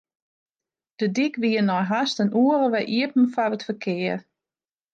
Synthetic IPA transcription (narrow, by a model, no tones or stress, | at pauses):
d̥ədikʋiənɔjɦastənuəɾəʋɛjʔiəpn̩fɔrətfəkʰɪər